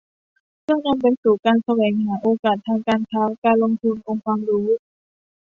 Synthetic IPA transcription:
kʰɯː˥˩˨na˧mpa˧jsuː˨˩kaː˧nsa˧wɛː˨˩˦ŋhaː˩˦ʔoː˧kaː˨˩t̪ʰːaː˧ŋkaː˧nkʰaː˦˥kaː˧nlo˧ŋt̪ʰu˧nʔo˧ŋkʰwaː˧mɾuː˦˥

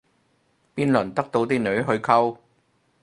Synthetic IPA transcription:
piː˥nlɵ˨˩nt̪ɐ˥k̚t̪o˧wt̪iː˥nɵ˨˧ɥɦɵ˧ɥkʰɐ˥w

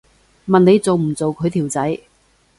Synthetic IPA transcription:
mɐ˨ne˨˧jt͡so˨wm̩˨˩t͡so˨wkʰɵ˨˧ɥt̪ʰi˨˩wt͡sɐ˨˥j

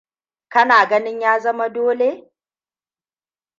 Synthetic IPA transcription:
kɐ˦naː˨ɡɐ˦nɪ˦ɲjaː˦zɐ˦ma˦doː˦le˦

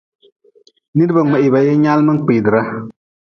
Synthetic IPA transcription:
ni˦dba˨ŋ͡ma˨ʔi˨ba˨je˦ɲa˦lmɨ˦ŋ˦k͡piː˨dɨ˨ɾa˦

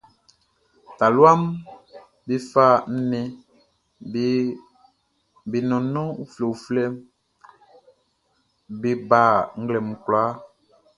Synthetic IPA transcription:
ta˨lu˦a˦m | be˦fa˦˨n̩˦nɛ̃˦ | be˨nɔ̃˨nɔ̃˦u˦fle˨flɛ˦m | be˦ba˦˨ŋ̩˦ɡlɛ˨mu˨kla˦

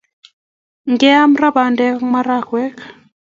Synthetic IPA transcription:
ŋɡɛ˦a˦m˦ra˦ba˨ndɛ˦kma˦ɾa˦˨kwɛ˦k

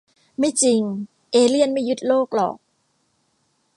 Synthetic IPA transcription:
ma˥˩jt͡ɕi˧ŋ | ʔeː˧li˥˩ənma˥˩jːu˦˥t̪̚loː˥˩k̚lɔ̰ː˨˩k̚

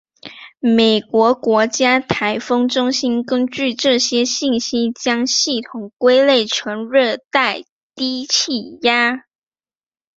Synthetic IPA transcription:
me˨˩ɪkwɔ˧˥kwɔ˧˥t͡ɕja˥t̪ʰa˧˥ɪfɤ˥ŋʈ͡ʂʊ˥ŋɕi˥nkə˥nt͡ɕy˥˧ʈ͡ʂɤ˥˧ɕjɛ˥ɕi˥˩nɕi˥t͡ɕjɑ˥ŋɕi˥˩t̪ʰʊ˨˩ŋkwe˥ɪle˥˩ɪʈ͡ʂʰə˧˥ŋɻɤ˥˧t̪a˥˩ɪ | t̪i˥t͡ɕʰi˥˩ja˥

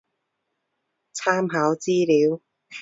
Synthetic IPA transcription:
t͡sʰaː˥mɦaː˨˥wt͡siː˥liː˨˥w

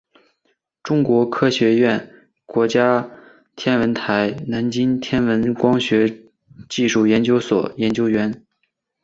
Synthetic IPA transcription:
ʈ͡ʂʊ˥ŋkwɔ˧˥kʰɤ˥ɕɥɛ˧˥ɥɛ˥˩n | kwɔ˧˥t͡ɕja˥ | t̪ʰjɛ˥nwə˧˥nt̪ʰa˧˥ɪna˧˥nt͡ɕi˥nt̪ʰjɛ˥nwə˧˥nkwɑ˥ŋɕɥɛ˧˥ | t͡ɕi˥˧ʂu˥˩jɛ˧˥nt͡ɕjo˥ʊswɔ̰˨˩jɛ˧˥nt͡ɕjo˥ʊɥɛ˧˥n

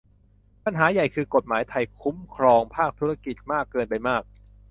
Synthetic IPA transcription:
pa˧nɦaː˩˦ja˨˩jkʰɯː˧ko˨˩t̪̚maː˩˦jt̪ʰa˧jkʰu˦˥mkʰɾɔː˧ŋpʰaː˥˩k̚t̪ʰu˦˥ɾa˧ki˨˩t̪̚maː˥˩kːɤː˧npa˧jmaː˥˩k̚

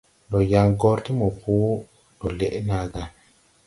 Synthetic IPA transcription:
lo˨ja˨ŋɡɔ˦ɾti˦mo˨pu˦ | lo˨le˨ʔna˨ɡa˨

